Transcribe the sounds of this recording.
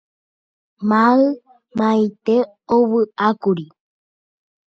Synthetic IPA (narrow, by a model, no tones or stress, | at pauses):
mãɨ | mãit̪e | oβɨakuɾi